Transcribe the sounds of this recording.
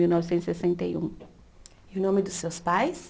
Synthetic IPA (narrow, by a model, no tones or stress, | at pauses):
iwnɔvisẽnʊ̥sesẽnt̪ɐjṵ̃ | iʊnõmɪd̪ʊsewspajs